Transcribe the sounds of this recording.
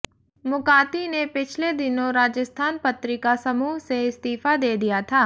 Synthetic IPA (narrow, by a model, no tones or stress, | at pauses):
mʊkaːt̪inepɪt͡ʃʰled̪ɪnõɾaːd͡ʒəst̪ʰaːnpɐt̪ɾɪkasɐmuːɦseɪst̪iːfad̪eːd̪ijat̪ʰaː